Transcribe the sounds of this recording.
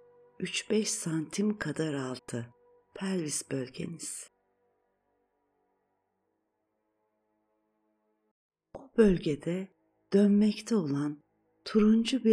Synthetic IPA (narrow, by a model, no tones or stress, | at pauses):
yt͡ʃbɛʃsant̪ʰimkʰad̪aɾalˠt̪ʰɯ | pʰælʲvisbølʲɟe̞̰niz̥ | bubølʲɟed̪ɛ | d̪̥ønmɛct̪ʰɛo̞lˠan | t̪ʰuɾund͡ʒubi